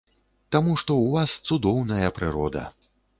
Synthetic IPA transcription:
t̪amuʂt̪ɔwvast̪sud̪ɔwnɐjɐpɾɨɾɔd̪ɐ̰

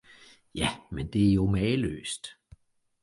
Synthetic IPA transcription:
jæmend̥e̝æɐjo̝mɛːlø̰ːsd̥

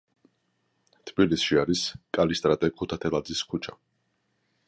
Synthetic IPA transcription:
t̪ʰbilisʃiaɾiskʼalist̪ʼɾat̪ʼɛkʰut̪ʰat̪ʰɛlˠad̪ziskʰut͡ʃʰa

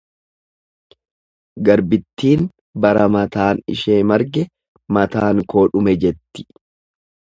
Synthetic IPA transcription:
ɡɐɾbɪt̪ːiːn | bɐɾɐmɐt̪aːnɪ̰ʃeːmɐɾɡɛ | mɐt̪aːŋko̞ːᶑʊmɛd͡ʒɛt̪ːɪ̥

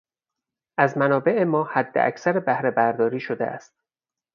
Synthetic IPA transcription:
ʔæzmænɒːbe̞ʔemɒːhæd̪ːḛʔæ̰csæɾebæhɾe̞bæɾd̪ɒːɾiːʃod̪ḛʔæ̰st̪̚

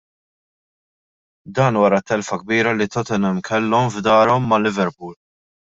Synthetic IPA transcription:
d̪ɐːnwɐɾɐt̪ːɛlfɐɡ̚biːɾɐlit̪ɔt̪ɛnɛmkʰɛlːɔmvd̪ɐːɾɔmːɐlːɪvɛɾpuːl

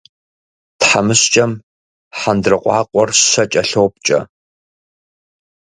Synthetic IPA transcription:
tħamɨɕt͡ʃʼɐm | ħandrɨqʷʼɑːqʷʼɔrɕɕɐt͡ʃʼɐɬowp̚t͡ʃʼɐ̰

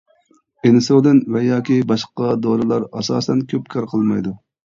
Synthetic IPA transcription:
ɪnsod̪ɪnvɛjɑːkʲibɑʃqɑd̪oɾɨlˠɑɾɑsɑ̰ːsɛnkʲʰøpkʰɑɾqʰəlˠmɑjd̪u

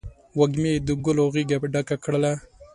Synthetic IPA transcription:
waɡmed̪əɡʊloɣiɡapɖakakɽəla

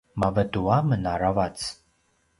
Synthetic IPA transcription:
mavɐduwamɨnaravat͡sʰ

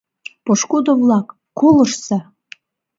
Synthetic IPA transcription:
poʃkud̪ovlɑkːolə̆ʃsɑ

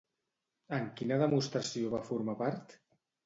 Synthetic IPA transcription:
əŋkinəðəmust̪ɾəsioβafuɾmapaɾt̪

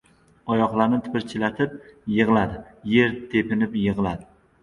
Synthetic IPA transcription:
ɒjɒχlˠaɾnɪt̪ʰɪ̥pɪɾt͡ʃʰɪlat̪ʰɪp̚jɨʁlˠad̪ɪje̞ɾt̪ʰe̞pɪnɪpjɨʁlˠad̪ɪ

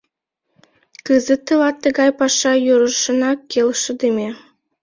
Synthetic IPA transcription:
kɯzə̆t̪ə̆lɑt̪ːə̆ɣɑjpɑʃɑjuɾə̆ʃɤ̆nɑkːelʃə̆d̪emʲe

